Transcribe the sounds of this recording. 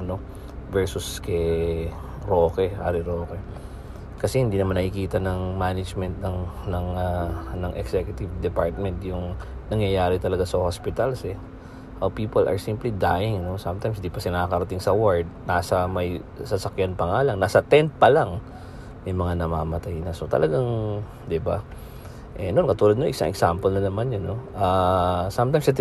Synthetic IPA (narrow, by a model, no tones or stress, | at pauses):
no̞ | vɛɹsʊskɛ | ɾoːkɛʔaɾɪɾoːkɛ | kɐsɛhɪnd̪iːnɐmanːɐkɪkiːt̪ɐnɐŋmanɪd͡ʒmɛnt̪̚nɐŋnɐŋanɐŋʔɛ̰ksɛkjʊt̪ɪvd̪ɛpaɹt̪̚mɛnt̪jʊŋnɐŋjɐjaːɾɪt̪ɐlɐɡasɐhospɪt̪ɐlsɛ | ʔɐwpiːpɐlʔɐ̰ɹsimplid̪aːjɪŋno̞samt̪ajmsd̪ipɐsɪnakɐɾɐt̪ɪŋsɐwaɹd̪̚naːsɐmɐj | sɐsɐkjanpɐŋaːlɐŋnaːsɐt̪ɛnt̪̚pɐlaŋ | jʊŋmɐŋanɐmaːmɐt̪ajnɐso̞t̪ɐ̰lɐɡaŋ | d̪ɪba̰ | ʔɛnonkɐt̪uːlɐd̪noʔɪsa̰ŋʔɛ̰ksampɛlnɐnɐmanjonːoʔasamt̪ajmsɐt̪